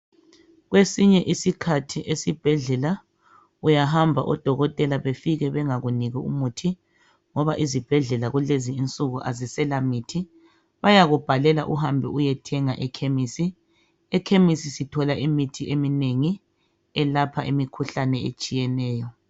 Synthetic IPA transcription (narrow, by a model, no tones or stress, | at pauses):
ɣwesiɲɛʔisikʰatʰiʔesib̥ʱɛɮɛla | ujaɦambʱa̰ʔɔd̥ʱɔɣɔtʼɛlaβefiɣɛβɛŋaɣuniɣiṵmutʰi | ŋɔβaʔizib̥ʱɛɮɛlaɣuleziːnt͡sʼuɣuʔazisɛlamitʰi | βajaɣub̥ʱalɛla̰ʔuɦambʱɛujɛtʰɛŋaʔɛkʰemisi | ɛkʰemisisitʰɔlaʔimitʰiʔemineŋi | ɛlapʰaʔimikʰuɬanɛḛt͡ʃʼijɛnɛːjɔ